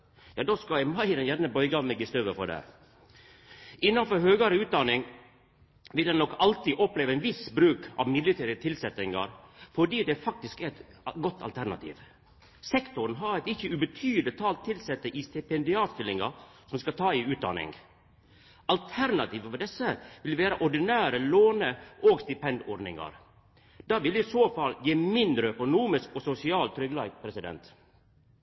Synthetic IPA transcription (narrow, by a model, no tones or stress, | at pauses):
jɑːd̪oːskɑɪmɑɪd̪ɛnjæɾnəbœʏɡɑnɛɡɪst̪øːʋəfɔɖɛ̰ | ʔɪnːɑnfɔɾhøːɡɑɾəʉːt̪̚d̪ɑnɪŋ | ʋɪld̪ɛnnɔkɑlt̪iːʔɔpleːʋəæɛnʋɪsbɾʉːkɑ̰ʋmɪd̪lɪt̪ʰeːɾɪət̪ʰɪlsɛt̪ɪŋɑ̰ɾfɔɖiːd̪ɛfɑk̚t̪ɪskɛɛt̪ | ɡɔt̪ʰːɑ̰lt̪ʰæɾnɑ̰t̪ʰḭːʋ | sɛkt̪ʊɾn̩ɦɑɛt̪ɪçːəʉbət̪ʰyːd̪ət̪ʰɑːlt̪ʰːɪlsɛt̪ːəʔiːst̪ɛpɛnd̪ɪɑːt̪st̪ɪlːɪŋɑ̰sɔmskɑt̪ʰɑːiːʉːt̪̚d̪ɑ̰nɪ̰ŋɡ | ʔɑlt̪ʰæɾnɑt̪ʰiːʋɔd̪ɛsəʋɪlʋeːɾəʔɔɖɪnæːɾəloːnəʔoːɡst̪ɪpɛnd̪ɔɖnɪ̰ŋɑ̰ɾ | d̪̥ɑːʋɪlɪsoːfɑljeːmɪnd̪ɾəœkʊnuːmɪskɔsʊsɪɑːlt̪ʰɾʏɡlɑɪɡpʰɾɛsɪd̪ɛ̰nt̪